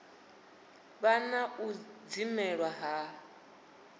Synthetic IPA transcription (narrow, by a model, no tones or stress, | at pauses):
βanaud͡zimɛɺwaɦa